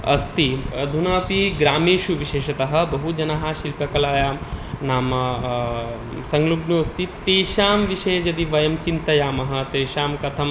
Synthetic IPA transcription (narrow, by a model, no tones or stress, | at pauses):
ɐ̰st̪id̪ʱunaːpiɡɾaːmeːʃuʋiʃeːʃɐt̪ɐɦɐ̆bɐɦud͡ʒɐnaɦaʃilpɐkɐlaːjaːmnaːmɐ | sɐŋɡluɡnuːɐst̪it̪eːʃaːmʋiʃɐjɐd͡ʒɐd̪iʋɐjɐmt͡ʃint̪ɐjaːmɐɦɐ̆t̪eːʃaːmkɐt̪ʰɐm